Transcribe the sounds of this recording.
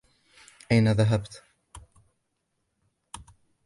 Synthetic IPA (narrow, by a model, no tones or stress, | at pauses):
ʔajnaðaɦabt̪